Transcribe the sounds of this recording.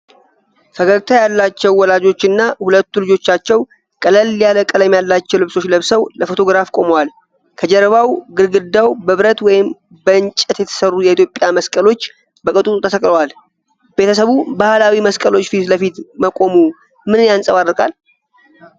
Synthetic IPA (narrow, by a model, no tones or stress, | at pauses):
fəɡəɾt̪ʰajalːat͡ʃːɛwːɔlad͡ʒo̞t͡ʃːɨnːahulət̪ːulɨd͡ʒo̞t͡ʃːat͡ʃːɛw | kʼələlːijaləkʼələmjalːat͡ʃːɛwlɨβso̞t͡ʃːləβsəwləfo̞t̪ʰo̞ɡɾafkʼo̞məwal | kʰəd͡ʒəɾβawɡɨɾɡɨd̪ːawbəβɨɾət̪wɔjɪm | bəɨnt͡ʃʼət̪jɛt̪ʰə̥sərːujɛit̪ʰjo̞pʼjaməskʼəlo̞t͡ʃː | bəkʼɨt̪ʼut̪ʼut̪ʰəsʰəkʼləwal | be̞t̪ʰəsəβubahlawiməskʼəlo̞t͡ʃːfit̪ləfit̪məkʼo̞mu | mɨnɨnjansʼəβarːɨkʼa̰l